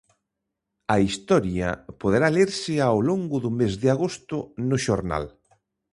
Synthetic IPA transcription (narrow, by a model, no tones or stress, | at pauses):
ɐist̪ɔɾjɐ̰poðeɾaleɾsɪawloŋɡʊðʊmezðɪaɣost̪ʊnʊʃoɾna̰l